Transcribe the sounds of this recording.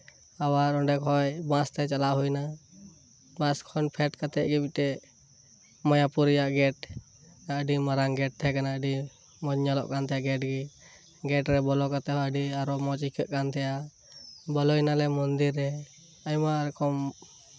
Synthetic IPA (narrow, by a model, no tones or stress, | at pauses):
awaɾɔɳɖɛkɦɔjbãst̪ɛt͡ʃalaʔɦujna | bãskʰɔnpʰɛʈkat̪ɛʔ̚ɡɛbitɛ | mɔjapuɾijaʔɡɛʈ | aɖimaɾaŋɡɛʈ̚t̪ʰɛkanaəɖi | mɔɲɲalɔ̰ʔkant̪ʰɛjaɡɛʈ̚ɡi | ɡɛʈɾɛbɔlɔkat̪ɛɦɔjəɖiaɾɔmɔt͡ʃikʰɛʔkant̪ʰɛja | bɔlɔjnalɛmɔnd̪iɾːɛ | ajmaɾɛkɔm